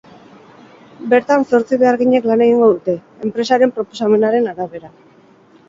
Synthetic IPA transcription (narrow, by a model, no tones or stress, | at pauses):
be̞ɾt̪anso̞ɾt͡siβe̞aɾɣiɲe̞klane̞ɣ̞iŋɡo̞ðut̪e̞ | empɾe̞saɾe̞mpɾo̞po̞same̞naɾe̞naɾaβe̞ɾa